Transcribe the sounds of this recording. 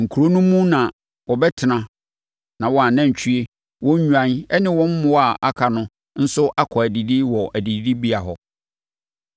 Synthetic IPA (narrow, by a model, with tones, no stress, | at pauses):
ŋ̩˨kʰu˨ɾo˦nũ˦mũ˦nã˨ | wɔ˨bɛ˦tʰɪ˨nã˨ | nã˨wɔ˨˦a˨nã˦ɲ̩˨t͡ɕʰɥe˦ | wɔ̃˦ɲ̩ᶣ˦u˦ã˦nɛ˦nɪ̃˦wɔ̃˦m̩˦mʊ̃˦wa˨ʔa˦kʰa˨nʊ̃˦ | n̩˦sʊ˦ʔa˦kʰɔ˨æ˨di˨di˦wɔ˨ʔæ˨di˨ddi˦bi˦a˨ɦɔ˨